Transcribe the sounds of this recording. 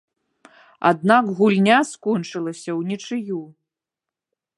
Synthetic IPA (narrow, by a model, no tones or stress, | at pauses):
a̰d̪̚naɡɣulʲnʲaskɔnt͡ʂɨlˠɐsʲɐwnʲɛt͡ʂɨju